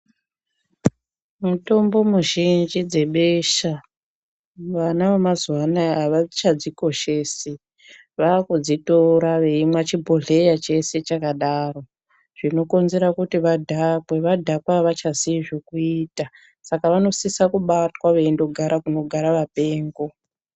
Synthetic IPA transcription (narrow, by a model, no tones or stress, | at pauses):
muto̞mbo̞muʒind͡ʒid͡ze̞ɓeʃa | ʋanaʋemazwanaːʋat͡ʃad͡ziko̞ʃeːse | ʋaːkud͡zito̞ɾaʋe̞imwat͡ʃibʱoɮe̞jat͡ʃe̞se̞t͡ʃakaɗaro̞ | ʐ̥ino̞ko̞nze̞ɾakutiʋadʱakwe̞ʋadʱakwaʋat͡ʃaziʐokuiːta | sakaʋano̞sisakuɓatwaʋeendo̞ɡʱaɾakuno̞ɡʱaɾaʋape̞ːŋɡo̞